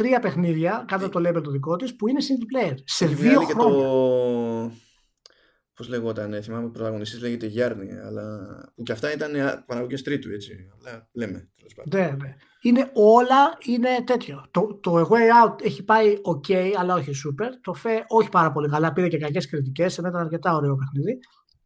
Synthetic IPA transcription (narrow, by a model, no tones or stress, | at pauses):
t̪ɾiɐpe̞xniðʝɐkɐt̪ɐt̪o̞lebelt̪oðiko̞t̪ispuine̞sind̪plejeɾse̞ðio̞ɾooɲ | pozleɣot̪ɐneθimɐmepɾot̪ɐɣo̞nist̪izleʝet̪eʝɐɾniɐ̰lɐ̰ucɐft̪ɐit̪ɐnepɐnɐɣocest̪ɾit̪uet͡siɐlɐlemet̪elespɐ̰nene | ine̞o̞lɐine̞t̪e̞t̪ço̞t̪ot̪o̞eɣejɐut̪eçipɐio̞ce̞jɐlɐo̞çisupe̞ɾt̪o̞feʔo̞çi̥pɐɾɐpo̞likɐlɐpiɾe̞ce̞kɐce̞skɾit̪̬ice̞sinɐit̪ɐnɐɾce̞t̪ɐo̞ɾe̞o̞p̬e̞xniði